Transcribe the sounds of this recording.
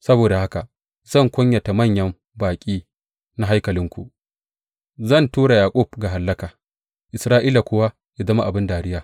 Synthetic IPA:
sɐ˦boː˨da˨ha˦ka˨ | z̥ɐ˦˨ŋkʷʊ˦ɲjɐ˨ta˨mɐ˦˨ɲjɐ˦m | baː˨kʲʼiː˦ | na˦ɦa˦jkɐ˨lɪ˦ŋkʷṵ˨ʔ | zɐ˦˨ntuː˦ɽa˨jaː˨kʷʼʊ˦˨b̚ɡa˨ɦa˨lːɐ˦kaː˨ | ʔɪ˨sɾaː˦ʔiː˦la˨kʷʊ˦wa˦ | ja˨zɐ˦ma˦ʔa˨bɪ˦ndaː˨ɾɪ˦jaː˨

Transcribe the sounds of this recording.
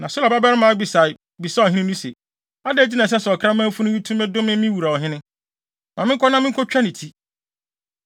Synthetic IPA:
nã˨sʊ˦la˨ba˦ba˦ɾɪ˦mã˨˦a˦bi˨sa˨ɪ˨ | bi˨sa˦ɔ˨ɦĩ˦nɪ̃˦nĩ˦sḛ˨ | a˦dɛ˦˨d͡ʑi˦nã˨s̬ɛ˦sʊ˨ɔ˨kʰa˦mã˦fu˦nʊ̃˦wi˦tʰũ˦mɛ̃˦dʊ˦mɪ̃˦mɪ̃˦wu˨ɾa˨ɔ˨ɦɪ̃˦nɪ̃˦ | mã˨mɪ̃˦ŋ˦kɔ˦nã˦mɪ̃˦kʰɔ˦t͡ɕᶣa˦nɪ̃˨tʰi˦

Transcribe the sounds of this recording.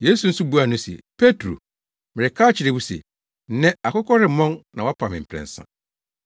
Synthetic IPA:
je˦su˨n̩˦sʊ˦bu˦a˨nʊ̃˦sḛ˨pʰe˦tʰɾo̰˨ | mɪ˨ɾɪ˨kʰaː˦t͡ɕʰɪ˨ɾe˨bu˦sḛ˨ | n̩˦nɛ̃˦a˨kʊ˦kʰɔ˦ɾɪ˨˦mɔ̃˦nnã˨wɔ˦pʰã˨mɪ̃˨m̩˨pʰɾɛ̰̃˨n̩˨sã̰˦

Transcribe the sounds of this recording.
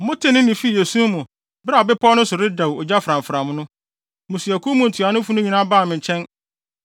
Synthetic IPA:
mʊ̃˦tʰɪ˦nɪ̃˦nɪ̃˨fi˦˨je˨su˦mũ˨ | bɾa˦˨bɪ˦pʰɔ˦nʊ̃˦sʊ˨ɾɪ˦da˨wɔ˨d͡ʑa˦fɾã˨ɱfɾã˨mʊ̃˦nʊ̃˦ | mʊ̃˨si˨æ˨kʰu˦mʊ̃˨n̩˨tʰu˨a˨nʊ̃˦fu˦nʊ̃˦ɲĩ˦nã˦baː˦˨mɪ̃˨ɲ˨t͡ɕʰɛ̃˦n

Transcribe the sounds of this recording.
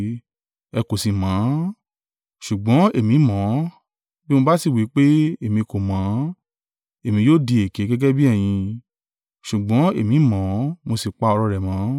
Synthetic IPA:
ɛ˧ko˨si˨mã˨˦ | ʃu˨ɡ͡bɔ̃˨˦e˦˨mĩ˨˦mɔ̃˨˦ | bi˦mo˧ba˦si˦˨wi˨˦k͡pe˦e˦˨mĩ˧ko˨mã˨˦ | e˨mĩ˨˧joː˦˨di˧e˨ke˨˦ɡɛ˦ɡɛ˦bi˦ɛ˦˨j̃ĩ˧ | ʃu˨ɡ͡bɔ̃˨˦e˦˨mĩ˨˦mɔ̃˨˦mo˧si˨k͡pa˧ɔ˧ɾɔ˧ɾɛ˨mã˨˦

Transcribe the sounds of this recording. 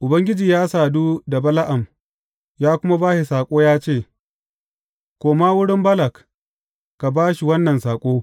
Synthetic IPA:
ʔʊ˨bɐ˦ŋɡʲɪ˦d͡ʒiː˨jaː˦saː˨duː˦da˨bɐ˦la˦ʔa˨m | jaː˦kʷʊ˦ma˦baː˦ʃi˨saː˨kʷʼoː˦jaː˦t͡ʃeː˦˨ | kʷoː˨maː˦wʊ˦ɽɪ˦mbɐ˦lɐ˨k | ka˨baː˦ʃi˨wɐ˦nːɐ˨nsaː˨kʷʼoː˦

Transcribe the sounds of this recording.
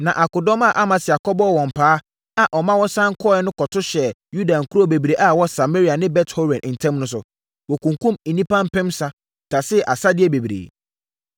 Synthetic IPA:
nã˨ʔa˨kʊ˨dɔ˦ma˦˨ʔa˦mã˨sɪ˨a˨kʰɔ˦bɔ˦˨wɔ̃˨m̩˨pʰaː˨˦ | a˨ʔɔ˨mã˦wɔ˦sã˦ŋ̩˦kʰɔ˦ɛ˦nʊ̃˦kɔ˨tʰʊ˦ɕɛ˨ju˦dã˨ŋ̩˨kʰu˦ɾo˦˨be˨bɾe˨ʔa˨wɔ˦sa˨me˦ɾi˨a˨nɪ̃˦bɛ˦tho˦ɾɛ̃˨n˨n̩˨tʰɛ̃˦mnʊ̃˦s̬ʊ̰˨ | wɔ˨kũ˨ŋ˨kũ˦mĩ˨nĩ˦pã˦m̩˦pɪ̃˦msa˦ | tʰa˨sɪ˦˨ʔa˨sa˦dɪ˦ɛ˦be˨bi˨ɾḛ˨

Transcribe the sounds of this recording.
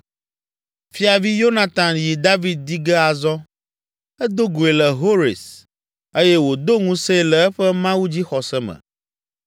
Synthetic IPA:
fi˦a˨vi˦jo˦na˨t̪a˨nji˨d̪a˦vi˨d̪̚d̪i˦ɡɛ˦a˨zɔ˦ | ɛ˦d̪o˦ɡo˨e˨lɛ˨ɦo˦ɾḛ˨s | e˦jɛ˦wo˨d̪o˦ŋũ˦se˦lɛ˨ɛ˦ɸɛ˦mã˦wu˦d͡ʑi˦xɔ˨sɛ˦mɛ̰̃˨

